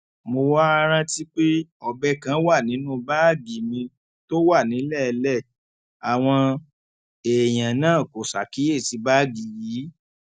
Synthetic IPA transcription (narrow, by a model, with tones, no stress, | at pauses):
mo˧wa˦a˧ɾ̃ã˦ti˦k͡pe˦ɔ˧bɛ˦kã˨˦wa˦˨nĩ˨˦nũ˦ba˦˨ɡi˨mĩ˧ | to˦wa˦˨nĩ˨˦lɛ˦˨˧lɛ˦˨ | a˨w̃ɔ̃˧ | e˨j̃ã˨nãː˦˨ko˨sa˨ki˨˦je˦˨ti˧˦ba˦˨ɡi˨ji˨˦